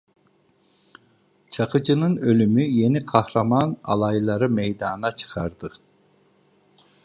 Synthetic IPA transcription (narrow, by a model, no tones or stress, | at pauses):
t͡ʃʰɑqɯd͡ʒɯnɯnølymyjeniqʰɑhɾɑmɑnɑ̰lˠɑjlˠɑɾɯmejd̪ɑːnɑt͡ʃʰɯ̥qʰɑɾd̪ɯ